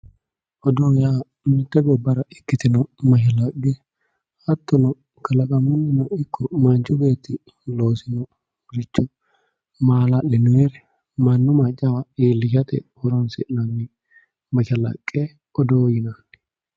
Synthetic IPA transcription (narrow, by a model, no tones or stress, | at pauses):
ʔɔd̪oːjaː | mɪt̪ːɛɡɔbːɐɾɐɪkːɪt̪ɪnɔmɐʃɪlɐɡɛ | hɐt̪ːɔnɔ | kɐlɐkʼɐmʊnːɪnɐɪkʰːɔmɐnt͡ʃʊbeːt̪ɪ | loːsɪnɔ | ɾɪt͡ʃːɔ | maːlalɛnʊeɾɛ | mɐnːʊmat͡ʃʼːɐwɐiːlːɪʃɐt̪ɛ̰wɔɾɔnsɪ̰nɐmːɪ | mɐʃɐlɐ̰kʼːeː | ɔd̪oːjɪnaːn